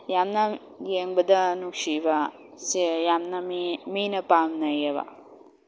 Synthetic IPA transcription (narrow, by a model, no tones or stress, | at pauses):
jamnɐ | jeŋbɐd̪ɐnukʂiʋa | sijamnɐmiːnɐpaːmnɐjɐʋɐ̰